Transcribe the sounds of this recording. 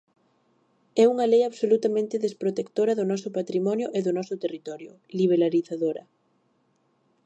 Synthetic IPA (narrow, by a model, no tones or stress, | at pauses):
ɛuŋɐlejaβsolut̪amẽnt̪ɪðespɾot̪ekt̪oɾɐðʊnɔsʊpat̪ɾimɔnjʊʔeðʊnɔsʊt̪erit̪ɔɾjʊ | liβ̞eɾaɾiθaðoɾɐ̰